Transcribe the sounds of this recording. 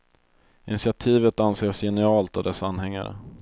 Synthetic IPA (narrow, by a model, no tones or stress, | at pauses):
ɪnɪsɪat̪ʰiːvət̪anseːʂjɛnəɑːlt̪avd̪ɛsːaanːɦɛŋːa̰ɾə̰